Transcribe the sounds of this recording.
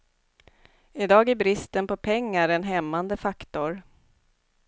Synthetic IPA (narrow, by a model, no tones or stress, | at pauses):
ɪd̪ɑːɡæbɾɪst̪ənpɔpʰɛŋːaɾɛnɦɛmːand̪əfakt̪ʊɾ